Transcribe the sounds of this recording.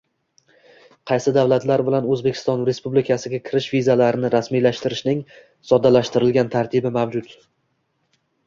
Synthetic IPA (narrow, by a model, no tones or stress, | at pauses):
qʰɑjsɪd̪avlat̪laɾbɪlanɵzbe̞kʲʰɪ̥st̪ɒnɾe̞spublɪkʲʰasɪɡʲakʲʰɪɾɪʃvizalaɾɪnɪɾasmijlaʃt̪ɪɾɪʃnɪŋ | sɒd̪ːalaʃt̪ɪɾɪlɡʲant̪ʰaɾt̪ʰɪbɪmavd͡ʒʊt̪